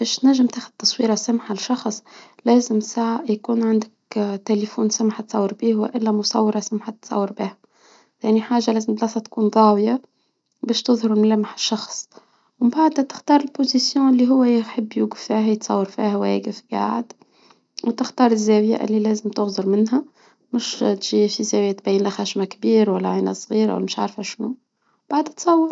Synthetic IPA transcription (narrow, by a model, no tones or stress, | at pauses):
b̥æːʃt̪næʒːɪmt̪æːxʊd̪̚t̪ːɑsˤwiːɾɑsæmħalʃɑxsˤlæːzɪmsaʕajkuːnʕand̪ɪkt̪elefuːnsæmħat̪sˤɑwːəɾbiːhwæ̰ʔɪlːæmʊsˤɑ̰wːɾˤɑsamħat̪sˤɑ̰wːəɾbiːhæ | θæniħaːʒalæːzɪmblɑsˤɑt̪kuːnðˤɑːwja | bæːʃt̪ʊðˤhʊɾɪlmlæmaħɪ̥ʃːɑxsˤ | wɪmbaʕd̪hæt̪ɪ̥xt̪ɑːɾˤɪlpozisjɔ̃ʔɪlːiɦʊwːæjħəbːjuːɡɪffihæjət̪sˤɑ̰wːɑɾˤfiːhæwæ̰ɡəfɡa̰ʕd̪ | wt̪ɪxt̪ɑːɾˤɪzːæwjæ̰ʔɪ̰lːilæːzɪmt̪ʊɣzˤʊɾmɪnɦæ | mʊʃt̪ʒiːfizæwjæt̪̚bæjːənlæxæːʃmækbiːɾwælːæʕinæsˤɣiːɾwæ̰mɪʃʕa̰ɾfæʃnu | b̥aʕd̪t̪sˤɑwːɑɾ